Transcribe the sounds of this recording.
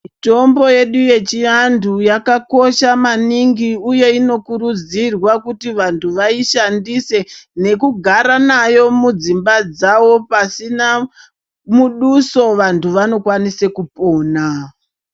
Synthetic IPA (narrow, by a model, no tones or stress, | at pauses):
to̞mbo̞je̞ɗuje̞t͡ʃiandujakako̞ʃamaniŋɡiuje̞ino̞kurud͡zirwakutiʋantʰuʋaiʃandise̞ne̞kuɡʱaɾanajo̞mud͡zimbad͡zawo̞pasina | muɗuso̞ʋantʰuʋano̞kwanise̞kupo̞ːna